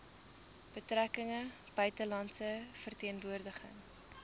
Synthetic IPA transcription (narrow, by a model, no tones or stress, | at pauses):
b̥ətrɾækəŋəb̥œɥtəlɐntsəfərtiənvuərdəχə̰ŋ